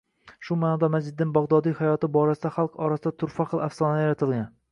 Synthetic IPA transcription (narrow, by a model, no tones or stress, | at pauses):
ʃʊmaːnɒd̪amazd͡ʒɪd̪ːɪnbɒʁd̪ɒd̪ijhajɒt̪ɪbɒɾasɪd̪aχalˠqɒɾasɪd̪at̪ʰʊɾfaqɨlˠafsɒnajaɾat̪ʰɪlˠɡʲan